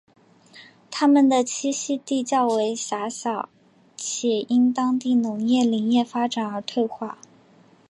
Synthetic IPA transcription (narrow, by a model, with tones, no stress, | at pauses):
t̪ʰa˥mə˨nd̪ə˩t͡ɕʰi˥ɕi˥t̪i˥˧t͡ɕjɑ˥˩ʊwe˧˥ɪɕa˧˥ɕjɑ˨˩˦ʊ | t͡ɕʰjɛ˨˩i˥nt̪ɑ˥ŋt̪i˥˩nʊ˧˩˥ŋjɛ˥˩li˨˩˥ŋjɛ˥˩fa˥ʈ͡ʂa˨˩nə˞˧˥t̪ʰwe˥˧ɪxwa˥˩